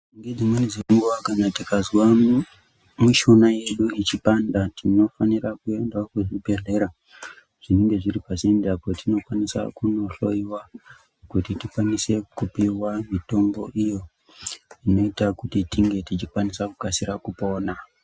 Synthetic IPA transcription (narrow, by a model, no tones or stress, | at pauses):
ŋɡed͡zimanid͡zekuŋɡuwakanatikazwa | muʃo̞naje̞ɗuit͡ʃipandatʰino̞faniɾakue̞ndwakuʐibʱe̞ɮe̞ɾa | ʐ̥ineŋɡe̞ʐiɾipasendapotino̞kwanisa̰kuno̞ɬo̞iwa | kutitikwanise̞kupiwamito̞mbo̞̰ʔijo̞ | ino̞itakutitiŋɡe̞tit͡ʃikwanisakukasiɾakupo̞ːna